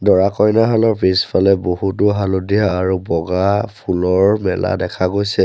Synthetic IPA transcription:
dɔɹakɔjnaɦalɔɹpɹispʰalɛbohutʊɦalodijaːɹubɔɡapʰulɔɹmɛla̰dɛkʰaɡojsɛ

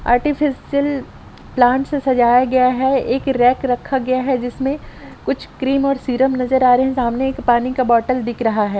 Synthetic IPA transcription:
a̰ːɾʈɪfʰɪsiəl | plãːɳʈsesɐd͡ʒaːjaɡɐjaɦɛeːkɾɛːkɾɐkʰːaɡɐjaɦɛd͡ʒɪsmẽkʊt͡ʃʰkɾiːmɔːɾsiːɾəmnɐzəɾaːɾeɦɛ̃saːmneːkpaːnikabɔːʈəld̪ɪkʰɾɐɦaɦɛː

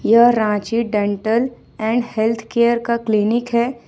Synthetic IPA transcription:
jəɦɾãːt͡ʃiɖẽɳʈəl | ɛ̃ːɳɖhelt̪ʰkeːjəɾkaklinɪkɦɛː

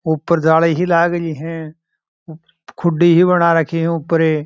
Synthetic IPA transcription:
ʊpːəɾd͡ʒaːleɦilaːɡiɦɛ̃ | kʰʊɖiɦibənaɾəkʰiɦɛ̃ʊpːəɾeː

